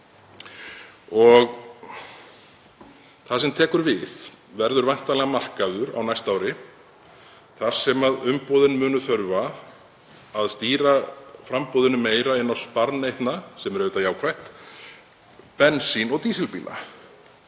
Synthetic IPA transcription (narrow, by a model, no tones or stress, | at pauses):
ɔɣ | θasɛmt̪ʰɛːkʏɾvɪð | vɛɾðʏɾvajn̥t̪alɛɣamar̥kaðʏɾa̰wnajst̪aːwɾɪ | θaɾ̥sɛmaðʏmpɔðʏnmʏːnʏθœɾva | aðst̪iːɾafɾampɔðʏnʏmeːjɾaɪnːawspaɾnejht̪nasɛmɛɾɛʏt̪ajaːwkʰvajht̪ | pɛnsinɔɣt̪iːsɛlpiːlʔa̰